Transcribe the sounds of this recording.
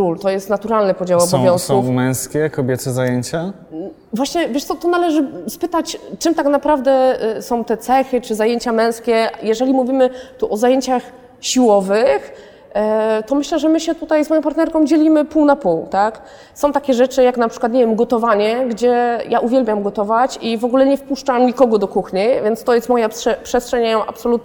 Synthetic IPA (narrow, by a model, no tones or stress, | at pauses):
kɾult̪ɔjɛst̪nat̪uɾalnɘpɔd͡ʑawɔbsɔ̃vjɔ̃ñskumɛ̃w̃skʲɛkɔbʲɛt̪sɛzajeɲt͡ɕa | vwaɕɲɛvjɛʂt̪sɔt̪ɔnalɛʐɘspɘt̪at͡ɕt͡ʂɘmt̪aknapɾavd̪ɛsɔ̃w̃t̪ɛt̪sɛxɘt͡ʂɘzajeɲt͡ɕamɛ̃w̃skʲɛjɛʐɛlʲimuvʲimɘt̪uʔɔzajeɲt͡ɕax | ɕiwɔvɘx | t̪ɔmɘɕlɛʐɛmɘɕɛt̪ut̪ajzmɔjɔ̃paɾt̪nɛɾkɔ̃w̃d͡ʑelʲimɘpuwnapuwt̪ak | sɔ̃w̃t̪akʲɛʐɛt͡ʂɘjaknapʂɘ̥kwat̪ɲevʲjɛmɡɔt̪ɔvaɲɛɡd͡ʑɛjaʔuvʲjɛlbʲjamɡɔt̪ɔvat͡ɕivɔɡulɛɲɛfpuʂt͡ʂamɲikɔɡɔd̪ɔkuxɲivʲjɛnt̪st̪ɔjɛst̪mɔjapʂɛpʂɛstʂɛɲajɔ̃ʔa̰psɔlut̪̚